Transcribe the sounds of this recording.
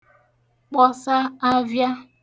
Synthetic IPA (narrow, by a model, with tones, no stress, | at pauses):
k͡pɔ˦sa˦a˦vja˦